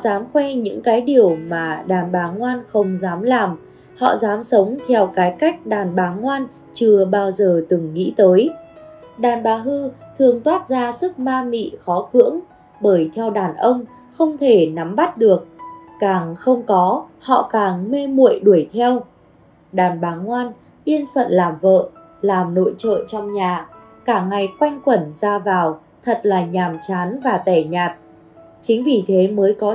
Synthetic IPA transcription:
ɔ̰˧˨zaː˨˦mxwɛ˧ɲɨ̰˧˥ŋkaː˨˦jɗi˨˩əwmaː˨˩ɗaː˨˩nɓaː˨˦ŋwaː˧nxə˧wŋ͡mzaː˨˦mlaː˨˩m | hɔ̰˧˨zaː˨˦msə˨˦wŋ͡mt̪ʰɛ˧wkaː˨˦jka˦˥jk̟̚ɗaː˨˩nɓaː˨˦ŋwaː˧n | t͡ɕɨ˧˩əɓaː˧wzəː˨˩t̪ɨ˨˩ŋːḭ˧˥t̪əː˨˦j | ɗaː˨˩nɓaː˨˦ɦɨ˧t̪ʰɨ˨˩əŋt̪waː˦˥t̚zaː˧sɨ˦˥k̚maː˧mḭ˧˨xɔ˨˦kɨ̰˧˥əŋ | ɓəː˧˩jt̪ʰɛ˧wɗaː˨˩nʔə˧wŋ͡m | xə˧wŋ͡mt̪ʰe˧˩na˨˦mɓa˦˥t̚ɗɨ˨˩ək̚kaː˨˩ŋxə˧wŋ͡mkɔ˨˦hɔ̰˧˨kaː˨˩ŋme˧mṵ˧˨ə˨jɗu˧˩əjt̪ʰɛ˧w | ɗaː˨˩nɓaː˨˦ŋŋwaː˧n | ʔi˧ənfə̰˧˨nlaː˨˩mvə̰ː˧˨ | laː˨˩mno̰˧˨jt͡ɕə̰ː˧˨t͡ɕɔ˧wŋ͡mɲaː˨˩ | kaː˧˩ŋŋa˨˩jkwa˧jŋ̟kwə˧˩nzaː˧vaː˨˩w | t̪ʰə˨˩t̚laː˨˩ɲaː˨˩mt͡ɕaː˨˦nvaː˨˩t̪ɛ˧˩ɲaː˨˩t̚ | t͡ɕï˨˦ŋ̟vi˨˩t̪ʰe˨˦məː˨˦jkɔ˨˦

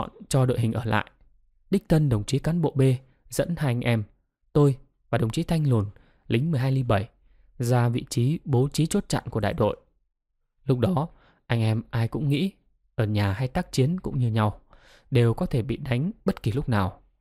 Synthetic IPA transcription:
nt͡ɕɔ˧ɗo̰˧˨jɦï˨˩ŋ̟ʔəː˧˩la̰ː˧˨jʔ | ɗï˦˥k̚t̪ʰə˧nɗə˨˩wŋ͡mt͡ɕi˨˦kaː˨˦nɓo̰˧˨ɓe˧ | zə̰˧˥nhaː˧jʔa˧ŋ̟ʔɛ˧m | t̪o˧j | vaː˨˩ɗə˨˩wŋ͡mt͡ɕi˨˦t̪ʰa˧jŋ̟lo˨˩n | lï˨˦ŋmɨ˨˩əjɦaː˧jli˧ɓə˧˩j | zaː˧vḭ˧˨t͡ɕi˨˦ɓo˨˦t͡ɕi˨˦t͡ɕo˦˥t̚t͡ɕa̰˧˨nku˧˩əɗa̰ː˧˨jɗo̰˧˨jʔ | lʊ˦˥k͡p̚ɗɔ˨˦ | ʔa˧jŋ̟ʔɛ˧mʔaː˧jkʊ̰˧˥ŋ͡mŋḭ˧˥ | ʔəː˧˩ɲaː˨˩ɦa˧jt̪aː˦˥k̚t͡ɕi˨˦ənkʊ̰˧˥ŋ͡mɲɨ˧ɲa˧w | ɗe˨˩wkɔ˨˦t̪ʰe˧˩ɓḭ˧˨ɗa˨˦jŋ̟ɓə˦˥t̚ki˨˩lʊ˦˥k͡p̚naː˨˩w

